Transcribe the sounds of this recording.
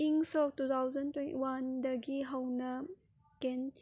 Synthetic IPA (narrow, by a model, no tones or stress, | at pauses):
iŋsɔk̚tut̪ʰawzɐntwentiwandɐɡiɦɐwnɐ | kɛn